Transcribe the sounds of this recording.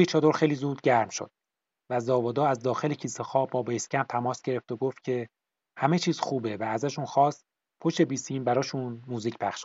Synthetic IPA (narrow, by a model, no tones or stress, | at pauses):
et͡ʃʰɒːd̪oɾxe̞jliːzuːd̪̚ɟæɾmʃo̰d̪̥̚ | væzɒːvɒːd̪ɒːæzd̪ɒːxe̞lecʰiːsexɒːbɒːbescʲʰænt̪ʰæmɒːsɟ̥e̞ɾe̞ft̪oɡoft̪̚cʰe̞ | hæme̞t͡ʃʰiːz̥xuːbe̞væːzæʃunxɒːst̪ | pʰoʃt̪e̞biːsiːmbæɾɒːʃunmuːziːcʰpʰæxʃ